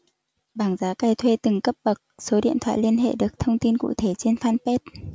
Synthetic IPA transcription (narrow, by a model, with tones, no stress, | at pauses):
ɓaː˨˩ŋzaː˨˦ka˧˩jt̪ʰwe˧t̪ɨ˨˩ŋkə˦˥p̚ɓə˨˩k̚so˨˦ɗḭ˧˨ənt̪ʰwa̰ː˧˨jli˧ənɦḛ˧˨ɗɨ˨˩ək̚t̪ʰə˧wŋ͡mt̪i˧nkṵ˧˨t̪ʰe˧˩t͡ɕe˧nfaː˧npɛ˦˥t̚